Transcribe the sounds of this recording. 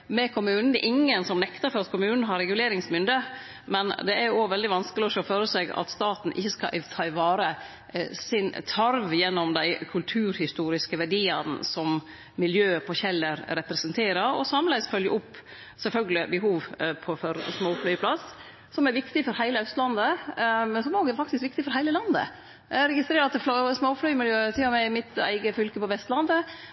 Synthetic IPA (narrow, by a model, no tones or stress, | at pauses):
mɛkʰʊmʉːnn̩d̪ɛʔɪŋːənsɔmnɛkt̪əɾfɔɾɑt̪kʰʊmʉːnn̩əɦɑɾɛɡʉleːɾɪŋsmʏnd̪ə | mɛnd̪ɛæɾjʊoːʋɛld̪ɪʋɑnskəlɪɔʃoɔːføːɾəseɡɑ̰t̪st̪ɑːt̪n̩ʔɪçːəskɑ̰ʔɪt̪ʰɑɪʋɑːɾə | sɪnt̪ʰɑɾʋjɛnːɔmd̪æɪkʰʉlt̪ʰʉːɾhɪst̪uːɾɪskəʋæɖiːɑnsɔm | mɪljøːpʰɔçɛlːəɾɾɛpɾɛsɛnt̪ʰeːɾəɾɔ̰sɑmlæɪsfœljə̰ʔʊpː | sɛlfœlɡəlɪbɛɦuːʋpʰɔfɔɾsmoːflœpʰlɑs | sɔmæɾʋɪkt̪ɪfɔɾhæɪləœst̪lɑnd̪əmɛnsɔmoːɡɛfɑk̚t̪ɪskʋɪk̚t̪ɪfɔɾhæɪləlɑnd̪ə̰ | æɾɛɡɪst̪ɾeːɾɑt̪flsmoːflœʏmɪljøːt̪ʰɪlːɔmæmɪt̪æ̰ɪɡəfʏlkəpɔʋɛst̪lɑnd̪ə